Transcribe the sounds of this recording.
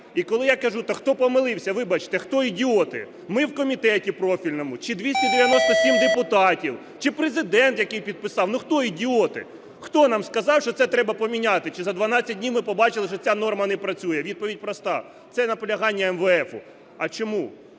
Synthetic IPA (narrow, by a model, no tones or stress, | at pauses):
ikɔlˠɪjakɐʒut̪ɐxt̪ɔpɔmɪlˠɪwsʲɐʋɪbɐt͡ʃɪ̥t̪ɛxt̪ɔidʲiɔt̪ɪ̰ | mɪwkɔmʲit̪ɛtʲipɾɔfʲilʲnɔmʊt͡ʃɪd̪ʲʋʲisʲtʲid̪eʋjɐnɔst̪ɔsʲimd̪epʊt̪ɑtʲiw | t͡ʃɪpɾezɪd̪ɛnt̪jɐkɪjpʲid̪̚pɪsɑwnuxt̪ɔidʲiɔt̪ɪ̰ | xt̪ɔnɑmskɐzɑwʃt͡ʃɔt̪sɛt̪ɾɛbɐpɔmʲinʲat̪ɪt͡ʃɪzɐd̪ʋɐnɑt͡sʲːɐt̚ʲnʲiwmɪpɔbɑt͡ʃɪlˠɪʃɔt͡sʲanɔrmɐnɛpɾɐt͡sʲujɛʋʲid̪̚pɔʋʲid̚ʲpɾɔst̪ɑ | t̪sɛnɐpɔlʲɐɦɑnʲːɐɛmʋɛɛfʊ̰ | ɐt͡ʃɔmu